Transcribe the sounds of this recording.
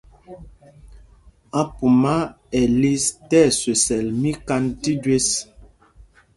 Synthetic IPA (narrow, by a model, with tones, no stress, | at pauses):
a˨pu˨ma˦ | ɛ˨li˦stɛ˦˨se˨sɛ˨lmi˦ka˦nti˦dɥe˦s